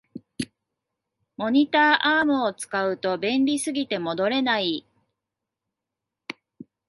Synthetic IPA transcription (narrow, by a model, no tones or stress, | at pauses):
mo̞ɲ̟it̪aːʔaːmɯ̟ot͡sɨ̥kaɯ̟t̪o̞bẽ̞nɾʲisɨɡʲit̪e̞mo̞d̪o̞ɾe̞nai